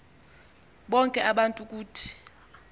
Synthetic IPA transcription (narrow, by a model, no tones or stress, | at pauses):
ɓɔŋkʼɛʔaɓantʼuk̬ʼuːtʰi̥